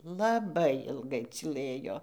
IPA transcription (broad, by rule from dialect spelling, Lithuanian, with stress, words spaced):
lˠɐˈbɐɪ ɪlˠˈɡɐɪ t͡sʲiːˈlˠɘjoː